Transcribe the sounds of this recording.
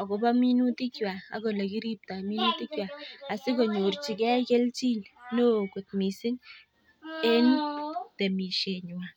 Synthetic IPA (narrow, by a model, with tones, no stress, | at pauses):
a˨ko˨ba˦mi˦nu˦ti˦kjwa˨a̰˨ko˨le˨ki˦ɾi˦p̚ta˨mi˦nu˦ti˦kjwa˨a˨sɪ˦ko˨ɲu˨rt͡ʃi˨kɛ˦ke˦lt͡ʃi˦lno˦ku˨t̚mi˨sɪ˦n | e˦nte˨mi˨ʃe˨ɲ˨wa˨